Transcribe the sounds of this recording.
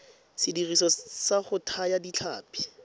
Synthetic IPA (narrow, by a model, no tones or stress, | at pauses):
sɪdirisɔsaχʊtʰajadit͡ɬʰa̰ːpi̥